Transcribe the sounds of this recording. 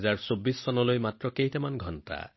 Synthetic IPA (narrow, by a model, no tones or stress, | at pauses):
zaɹsobːisːɔnɔlojmatɹɔkejtɛmanɡʱɔnta̰